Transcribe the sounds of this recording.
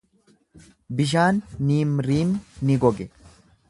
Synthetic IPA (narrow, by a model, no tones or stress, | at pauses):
bɪʃ̬aːnːiːmɾiːmnɪɡɔɡɛ